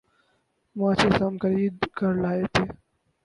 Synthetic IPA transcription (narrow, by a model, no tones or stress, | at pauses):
mãːt͡ʃʰesɐmkəɾiːd̪kɐɾlaːet̪ʰeː